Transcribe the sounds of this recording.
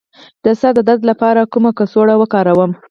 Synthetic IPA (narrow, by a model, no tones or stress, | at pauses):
d̪̥əsad̪ad̪ad̪lapɑɾakumakəsoɽawəkɑɾawəm